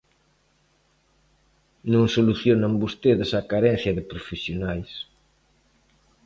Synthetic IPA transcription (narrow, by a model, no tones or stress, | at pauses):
nõŋsoluθjonɐmbost̪eðɪsɐkaɾɛn̟θjɐðɪpɾofesjonajs